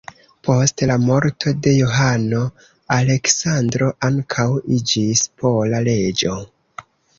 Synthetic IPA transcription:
po̞stlamo̞ɾtʰo̞de̞joɦano̞ | ale̞ksandɾo̞ʔaŋkʰawid͡ʒispʰo̞lale̞d͡ʒo̞

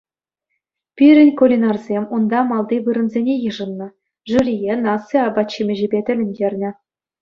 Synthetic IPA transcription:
pʲiɾʲɘ̆nʲkulʲinɑrzʲemʲund̪ɑmɑlˠd̪iʋɯɾɤ̆nzʲenʲejɯʐɤ̆nːɤ̆ | ʐuɾʲijenɑsːɤɑbɑtt͡ɕːimʲɘ̆ʑɘ̆bʲet̪ʲɘ̆lʲɘ̆nʲdʲerʲnʲɘ̆

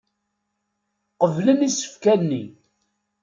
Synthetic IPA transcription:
qəvlənisə̥fkænːi

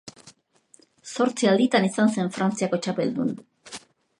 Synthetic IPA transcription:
so̞ɾt͡siald̪it̪anisanse̞ɱfɾant͡siako̞t͡ʃape̞̰ld̪ṵn

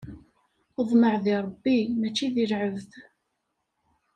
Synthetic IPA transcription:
əðˤməʕðiɾˤəbːimæt͡ʃːiðilʕəvθ

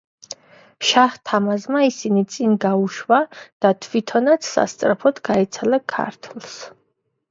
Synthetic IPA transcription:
ʃaht̪ʰamazmaisinit̪sʼinɡauʃwad̪̥at̪ʰvit̪ʰɔnat̪sʰsa̰st̪sʼɾapʰɔd̪ɡaɛt̪sʰalɛkʰa̰ɾt̪ʰlˠs

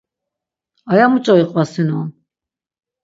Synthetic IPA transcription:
ajamut͡ʃʼɔiqʼvasinuɔ

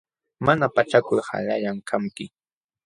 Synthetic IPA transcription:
manapat͡ʃakʊɾha̰ʎaʎaŋkʰamkɪ

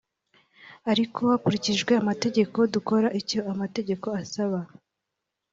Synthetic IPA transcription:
aɾikʰo̞akuɾiciʒɡwe̞amate̞ɟe̞ko̞duko̞ɾaʔicoamate̞ɟe̞ko̞asaβa

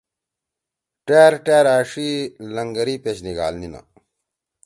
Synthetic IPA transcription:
ʈeːɾʈeːɾaːʂilɐŋɡɐɾiːpet͡ɕniɡa̰ːlnina̰

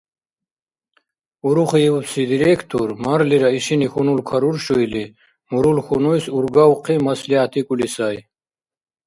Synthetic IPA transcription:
uɾuχijiwupsid̪iɾekʰt̪ʰuɾmɐɾliɾaiɕinixunulkʰaɾuɾʃujli | muɾulxunujsuɾɡawqimɐsliat̪ʰikʼulisaj

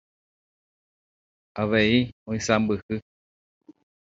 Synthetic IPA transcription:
aβeiõĩsambɨkɨ

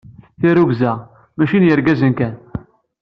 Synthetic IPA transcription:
θiɾuɡzæ | mæʃinjəɾɡæzənkæn

